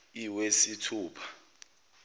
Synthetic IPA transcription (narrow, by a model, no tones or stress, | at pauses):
iwesitʰuːpʰḁ